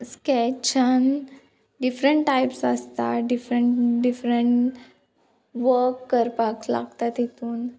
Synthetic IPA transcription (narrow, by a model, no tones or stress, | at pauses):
skɛt͡ɕən | ɖifɾəɳʈʈajpsəst̪a̰ɖifɾəɳʈɖifɾəɳʈ | ʋəɾkːəɾpakla̰ɡt̪at̪ɦit̪uːn